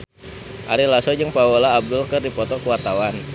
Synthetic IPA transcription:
ʔaɾilasɔd͡ʒɨŋpaolaːb̚dʊlkɨrdipɔt̪ɔkəwart̪awan

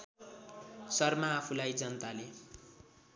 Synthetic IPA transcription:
sʌrmaːpʰulajd͡zʌnʌt̪ale

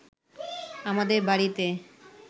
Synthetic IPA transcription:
amad̪eɾbaɽit̪e

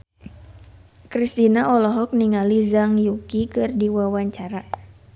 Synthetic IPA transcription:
kɾist̪inaʔɔlɔɦɔk̚niŋalizaŋjukikɨrdiwawaɲt͡ʃaɾa

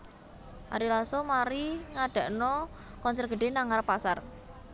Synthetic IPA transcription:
ʔa̰ɾilasomaɾiŋaɖ̥ä̤ʔnɔ | kɔnsɛrɡ̥ə̤ɖ̥e̤naŋarpasar

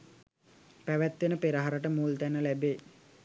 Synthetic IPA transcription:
pæʋæt̪ʋenəpeɾəɦaɾəʈəmuːlt̪ænəlæbeː

